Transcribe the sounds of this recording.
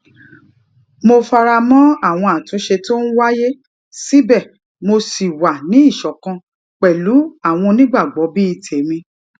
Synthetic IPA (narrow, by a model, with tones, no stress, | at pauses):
mo˧fa˧ɾa˧mɔ̃˦a˦˨w̃ɔ̃˧a˨tũ˨˦ʃe˧to˦n̩˦wa˦je˦ | si˦bɛ˦˨ | mo˧si˨wa˨nĩ˦i˦˨ʃɔ˨kã˧ | k͡pɛ˨lu˨˦a˦˨w̃ɔ̃˧nĩ˦ɡ͡ba˦˨ɡ͡bɔ˨˦bi˦i˦˨tʰe˨mĩ˧